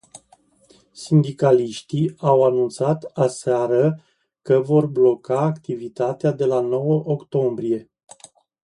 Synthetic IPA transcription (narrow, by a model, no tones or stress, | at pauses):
sind̪ikaliʃt̪iawanunt̪sat̪aseaɾə | kəvo̞rblo̞kaːkt̪ivit̪at̪ead̪e̞lano̞wəʔokt̪o̞mbɾie̞